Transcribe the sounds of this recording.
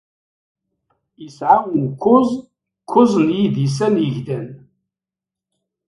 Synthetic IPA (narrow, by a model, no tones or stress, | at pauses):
jəsʕawənkʷːʊzˤ | kʰːʊzˤnjid̪is̬ænjəʝd̪æn